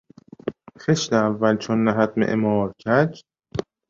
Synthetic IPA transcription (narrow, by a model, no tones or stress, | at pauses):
xeʃteævːælt͡ʃʰonːæɦæt̪̚mḛʔḛmɒːɾcʰæd͡ʒ